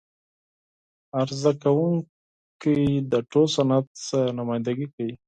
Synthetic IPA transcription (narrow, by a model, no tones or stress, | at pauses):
aɾzakawuŋ | kijd̪əʈosanat̪̚sənamajnd̪aɡikawi